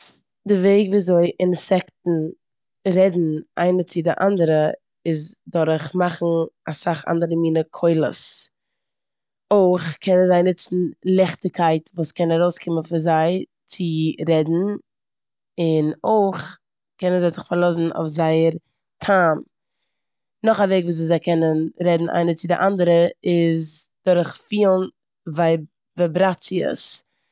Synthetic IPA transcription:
dɪveɪɡviːazoɪʔɪnsɛktn̩ | ɾɛdn̩ʔa̰ɪnət͡sɪdɪʔa̰ndəɾə | ɪzdɔɾχmaχn̩asaχa̰ndəɾəmiːnəkʰoɪlˠə̰s | oɪχkʰɛnənzaɪnɪt͡sn̩lˠɛχtɪkʰaɪtvuːskɛnaɾoʊskʰɪmənfɪzaɪ | t͡sɪɾɛdn̩ | ɪnoɪχ | kɛnənzaɪzɪχfaɾlˠɔsn̩a̰ʊfzaɪəɾ | tʰaːm | nɔχaveɪɡvuːs̬zuːszaɪkɛnənɾɛdn̩ʔa̰ɪnət͡sɪdɪʔandəɾəɪzd̥ʊɾχfiːlˠn | vaɪ | vabɾat͡siə̰s

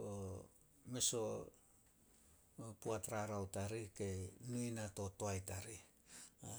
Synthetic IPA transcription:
o | meso̞ | puatɾaɾawtaɾike̞nujnato̞toajtaɾi

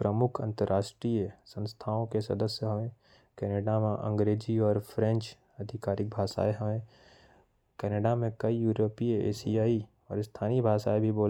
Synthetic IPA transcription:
pɾəmʊkʰɐ̃nt̪əɾʔaːʃʈɾiːjəsə̃nst̪ʰaːõkesɐ̰d̪əsjəɦɐʋẽ | kɛːneːɖamẽʔɐ̰̃ŋɡɾeːd͡ʒiɔːɾpʰɾɛ̃nt͡ʃ | ɐd̪ʱɪkaːɾɪk̚bʱaːʃa̰ːeɦɐʋẽ | kɛːneːɖamẽkɐijuːɾoːpiəḛːsiaːi | ɔːɾst̪ʰaːnibʱaːʃaːebʱiboːl

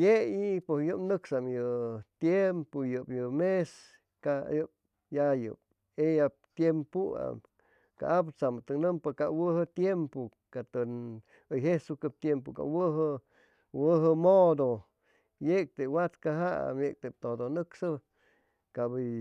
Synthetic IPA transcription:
jeiposjɨpnɨksamjɨt̪jempojɨpjɨmes | kajɨp̚ | jajɨ̰p̚ | ejap̚t̪jempua̰ | ka̰ʔap̬t͡samɨt̪ɨnɨmpɨkawɨɦɨt̪jempo | kat̪ɨn | ɨjɦesukɨp̚t̪jemp̬oka̰wɨɦɨ | wəɦɨmod̪o | jek̚t̪ewat̪kaɦaa̰mjek̚t̪ep̚t̪od̪onɨksɨ | kabɨ

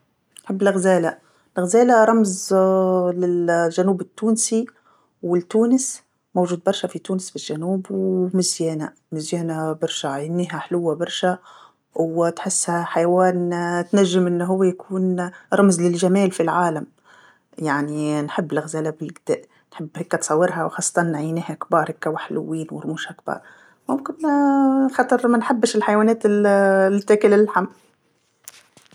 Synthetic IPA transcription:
nħɪbːlɪɣzeːla | lɣazeːlaɾˤɑmz | lɪlʒanuːbɪt̪ːuːnsi | wɪlt̪ːuːnɪs | mowʒuːd̪̚bɑɾˤʃafit̪uːnɪsbɪlʒːanuːbwmɪzjeːna̰ | mɪzjaːnabɑɾˤʃaʕajɪnːiːɦaħlʊwːabɑɾˤʃa | wt̪ħɪsːhaħajawaːnt̪naʒːɪmʔɪnːɦʊwːajakʰuːnɾˤɑmzlɪlʒamæːlfilʕaːlam | jaʕninħɪbːlɪɣzalabɪlɡɪd̪æ̰ːʔ | nħɪbːhekːat̪sˤɑwːɪɾɦawxɑːsˤːɑ̥t̪ˤɑnːʕajniːhakbɑːɾˤhɪkːawaħlʊ̰wːiːnwɪ̰ɾˤmuːʃhak̚bɑ̰ːɾˤ | mʊmkɪn | xɑt̪ˤɨɾmanħabːɪʃɪlħajwaːnɛːt̪ɪ | t̪ːæːkɪlɪlħam

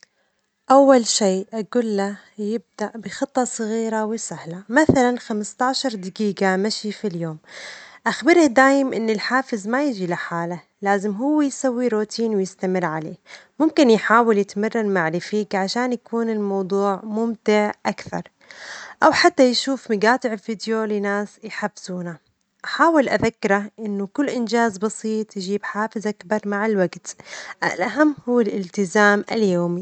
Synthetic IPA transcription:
ʔawːalʃiːʔaɡʊlːa | jɪb̚d̪aʔbɪxɨt̪ˤːɑsˤɣiːɾawɪsahlamaθalanxamɪst̪ɑʕʃɑɾˤd̪ɪɡiːɡamaʃifiljoːmʔaxbɪɾɪhd̪aːjɪmʔɪnːɪlħaːfɪzmajɪʒilaħaːla | laːzɪmɦʊwːɪjsawːiɾot̪ʰiːnwɪjɪst̪amɪrːʕalḛːmʊmkɪnjħaːwɪljɪt̪marˤːɑnmaʕɾɪfiːkʕaʃaːnjakuːnɪlmɑwd̪ˤuːʕmʊmt̪ɪʕʔakθɑ̰ɾˤ | ʔawħat̪ːajʃuːfmɪɡaːt̪ˤɪʕɪlfid̪jolɪnaːsjħafɪz̥uːna | ʔaħaːwɪlʔaðakːɪɾaʔɪnːʊkʊlːʔɪnd͡ʒaːzbɑsiːt̪ˤjʒiːbħaːfɪzʔakbɑɾˤmaʕɪlwaɡt̪ʔa̰lʔaɦamːhʊwːalʔɪlt̪ɪzaːmʔɪljoːmi

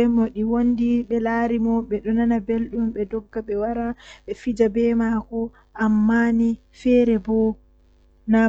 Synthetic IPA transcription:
ɛmɔɗiwondiɓɛlaːɾimɔɓɛɗɔnanabelɗumɓɛdɔɡːaɓɛwaɾaɓɛfid͡ʒabɛmakɔ | ʔamːani | fɛɾɛbɔ | na

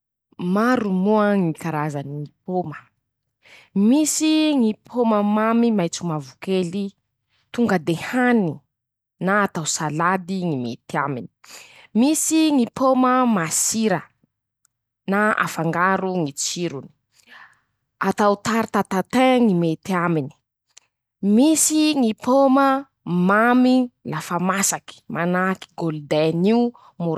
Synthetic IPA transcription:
maɾumuəŋikaɾazaniŋipomə̥ | misiŋipʰoməmamimajt͡sumavukeli | t̪uŋɡəd̪ehani | naːt̪awsalad̪iŋimet̪iamini̥ | misiŋipʰoməmasiɾə | naa̰faŋɡaɾuŋit͡siɾuni̥ | at̪awt̪aɾt̪at̪at̪eŋimet̪iamini̥ | misiŋipomə | mamilafamasaki̥mʔanaki̥ɡold̪eniu | muɾ

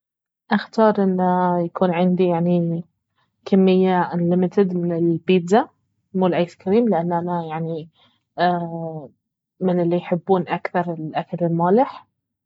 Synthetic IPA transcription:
ʔaxt̪ɑːɾˤʔɪnːajakuːnʕɪnd̪ijaʕni | kʰamːɪjːaʔlɪmɪt̪ɪd̪mɪnɪlbiːd̪za | muːlʔajskaɾiːmlɪʔanːanajaʕni | mɪnɪlːijħɪbːuːnʔakθɑɾˤɪlʔakalɪlmaːlɪħ

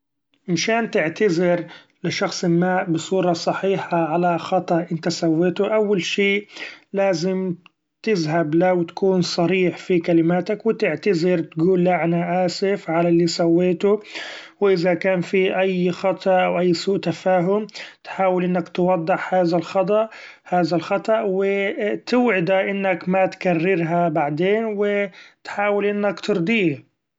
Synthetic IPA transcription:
mʃaːnt̪ɪʕt̪azɪɾ | lɪʃɑxsˤɪlmaːʔbɪsˤuːɾˤɑsˤɑħiːħaʕalaxɑt̪ˤɑʔʔɪnt̪asawːeːt̪ʊʔawːalʃeːʔlaːzɪm | t̪ɪzɦablawɪt̪ḁkuːnsˤɑɾiːħfikalɪmaːt̪akwɪt̪ɪʕt̪azɪɾt̪ɡuːlːaʕanaʔaːsɪfʕalalːiːsawːeːt̪ʊwɪʔɪðakaːnfiʔajxɑt̪ˤɑʔawʔajːsuːʔt̪afaːɦʊmt̪ħaːwɪlʔɪnːakt̪wɑd̪ˤːɪħhaːðalxɑt̪ˤɑʔ | haːðalxɑt̪ˤɑʔwɪt̪ɪwʕɪd̪aʔɪnːakmat̪karːɪɾɦabaʕd̪eːnwɪt̪ħaːwɪlʔɪnːakt̪ɨɾd̪ˤiː

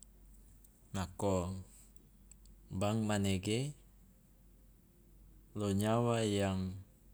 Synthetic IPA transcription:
nakɔ | baŋmaneɡe | loɲawajaŋ

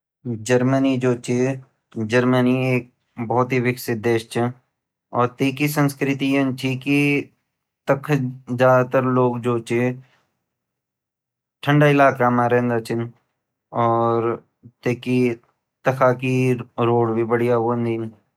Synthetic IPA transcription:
d͡ʒəɾmənid͡ʒoːt͡ʃi | d͡ʒɐɾmənieːk̚ | bɔːʊt̪ɦiʋɪksɪt̪̚d̪eːʃt͡ʃin | ɔːɾt̪eːkisə̃nskɾɪt̪ijənt͡ʃʰiki | t̪ɐkʰzaːd̪at̪əɾloːɡd͡ʒoːt͡ʃi | ʈʰə̃ɳɖaɪlaːkamaːɾẽnd̪at͡ʃɪn | ɔːɾ | t̪eːki | t̪ɐkʰakiɾoːɽbʱibəɽijaʋond̪in

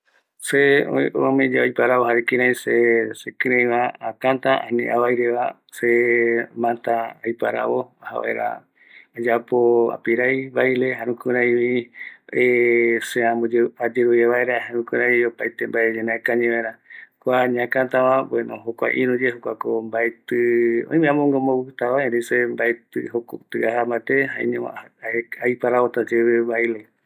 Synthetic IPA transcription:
seoomẽd͡ʒaojpaɾawoɦaɾekĩɾãj̃sesekɨɾẽj̃βaakant̪aʔa̰nḭ̃ʔaβajɾeβa | semãnt̪aajpaɾa̰βoaha̰βa̰ḛɾa̰ | ad͡ʒapoa̰piɾajβajleɦaɾũkũɾajβi | eseãmod͡ʒad͡ʒeɾujeβaeɾahaɾũkuɾaiopajt̪embaed͡ʒenaekaɲẽβaɾakʷaɲãkãt̪aβabenõ̰ɦokʷa̰ʔĩɾud͡ʒeɦokʷakombaet̪ɨõ̰ĩmẽãmõŋɡomowɨt̪aβaeɾesembaet̪ɨhokot̪ɨaɦambat̪eɦãḭ̃ɲõeajpaɾaβot̪ad͡ʒeβeβajle

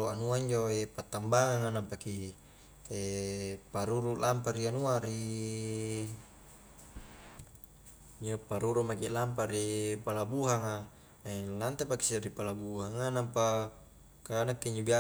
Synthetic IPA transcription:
oanuaiɲd͡ʒoepat̪ːambaŋaŋanampaki | epaɾuɾulampaɾianuaɾi | ɲd͡ʒopaɾuɾumakilamp̬aɾipalabuɦaŋa | elant̪epaki̥siɾipalabuhaŋanampa | kanakːiɲd͡ʒobia

